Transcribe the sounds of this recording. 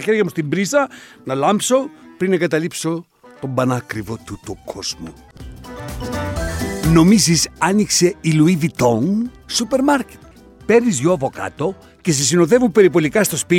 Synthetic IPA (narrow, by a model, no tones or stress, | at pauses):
ɐçe̞ɾjʝɐmust̪imbɾisɐnɐlɐmpso̞pɾinɐɡɐt̪ɐlipso̞ | t̪o̞mbɐnɐkɾivo̞t̪ut̪ukʰo̞z̥mo̰ | no̞misisɐnikse̞iluiðit̪o̞ŋ | supe̞ɾmɐɾce̥t̪̚ | pe̞ɾizʝoɐvo̞kɐ̰t̪o̞ | ces̬es̬ino̞ðe̞vupe̞ɾipo̞likɐst̪o̞spi